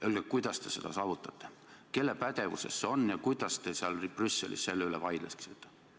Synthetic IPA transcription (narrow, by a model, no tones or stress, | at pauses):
ylɡ̥ekujd̪̥ɑst̪e̞̥se̞d̪̥ɑsɑːvut̪ːˑɑt̪ːe | ke̞lːepæd̪e̞vṵse̞so̞njɑkujd̪̥ɑst̪eseɑlrb̥rysːelʔḭsse̞lːeylevɑjd̪̥leski̥set̪ːˑe